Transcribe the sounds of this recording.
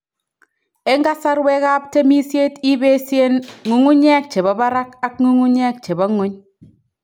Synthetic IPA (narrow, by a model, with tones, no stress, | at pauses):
e˦ŋɡa˦sa˦ɾwe˦ka˦p̚te˦mi˦sje˦ti˦be˦sje˦nŋu˦ŋu˦ɲɛ˦k̚t͡ʃe˨ba˨ba˦ɾa˦ka˦k̚ŋu˦ŋu˦ɲɛ˦k̚t͡ʃe˨ba˦ŋʊ˦ɲ